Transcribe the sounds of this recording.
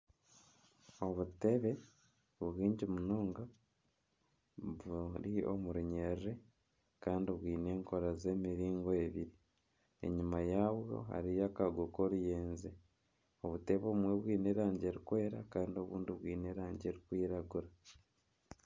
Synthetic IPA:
o̞βute̞βe̞ | βuɣiːɲɟimunoːŋɡa | βuɾio̰muɾiɲerre | kaːndiβwiːne̞ːŋko̞ɾaze̞ːmiɾiːŋɡoeβiɾi | e̞̰ɲumajaːβjo̞̰ha̰ɾijakaɡokoɾujeːnze | oβute̞βo̞ːmweβwiːneːɾaːɲɟe̞ɾikwe̞ːɾakaːndio̞βṵːndiβwiːneːɾaːɲɟe̞ɾikwiːɾaɡuɾa

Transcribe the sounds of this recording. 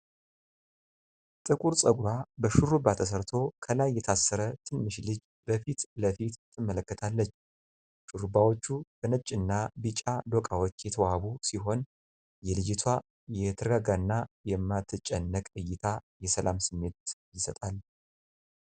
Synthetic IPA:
t̪ʼɨkʼuɾsʼəɡʷɾabəʃuɾubat̪ʰəs̬əɾt̪ʰo̞kʰəlajːɛt̪ʰasːəɾət̪ʰɨnːɨʃlɨd͡ʒ | bəfit̪ləfit̪t̪ʰːɨmːələkːət̪ʰalːət͡ʃː | ʃuɾubawo̞t͡ʃːub̥ənət͡ʃʼɨnːabɨt͡ʃʼad̪okʼawo̞t͡ʃːjɛt̪ʰəwaβusiɦo̞n | jɛlɨd͡ʒɪt̪ʰwa | jɛt̪ʰɨɾɡaɡanːajɛmːat̪ʰːɨt͡ʃʼɛnːəkʼɨjːɪt̪ʰajɛsəlamsɨmːe̞t̪jɪsət̪ʼal

